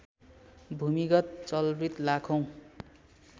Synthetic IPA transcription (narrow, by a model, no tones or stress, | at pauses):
bʱumiɡʌt̪̚t͡sʌlrit̪lakʰʌw̃